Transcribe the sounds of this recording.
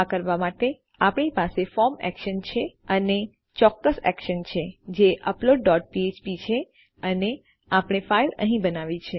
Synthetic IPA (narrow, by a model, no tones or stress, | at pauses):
kəɾʋamaʈe | apɳipasefɔɾmɛ̰kʃənt͡ʃʰeəne | t͡ʃɔkːəsɛ̰kʃənt͡ʃʰed͡ʒeʔəploɖːɔʈ̚piet͡ʃpit͡ʃʰe | əne | apɳ̃efailə̰ɦĩbənaʋit͡ʃʰe